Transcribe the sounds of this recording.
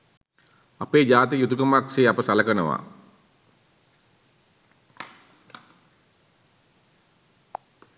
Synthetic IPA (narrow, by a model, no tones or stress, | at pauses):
apeːd͡ʒaːt̪̬ijut̪ukəmakseːapəsaləkənəʋa̰